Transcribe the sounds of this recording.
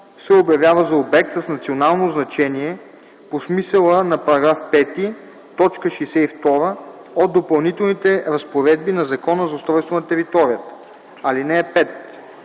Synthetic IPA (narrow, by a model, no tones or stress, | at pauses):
sɛobjɐvʲjavəzɐobɛk̚t̪əsnɐt̪sionalˠnoznɐt͡ʃɛniɛ | posmisəlˠənɐpɐɾɐɡɾafpɛt̪i | t̪ɔt͡ʃkəʃɛsɛift̪ɔɾə | od̪̚d̪opɐlˠnit̪ɛlˠnit̪ɛɾɐspoɾɛd̪̚binɐzɐkɔnəzɐost̪ɾɔjst̪vonɐt̪ɛɾit̪ɔɾijət̪ə̥ | ɐlinɛːpɛt̪